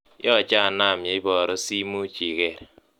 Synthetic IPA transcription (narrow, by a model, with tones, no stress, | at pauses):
jɔ˦˨t͡ʃa˦˨na˦˨mja˨i˦bɔ˨ɾo˦si˦mu˦t͡ʃi˨ɣɛ˦˨ɾ